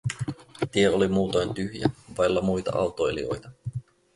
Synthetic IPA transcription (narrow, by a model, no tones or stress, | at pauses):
t̪ieolimuːt̪ojnt̪yhjæ̰ʋɑjlːɑmujt̪ɑ̰ʔɑ̰wt̪o̞elḭo̞̰jt̪ɑ